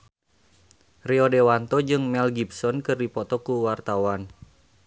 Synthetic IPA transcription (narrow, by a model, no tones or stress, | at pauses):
riodewant̪ɔd͡ʒɨŋmɛlɡibsɔnkɨrdipɔt̪ɔkuwart̪awan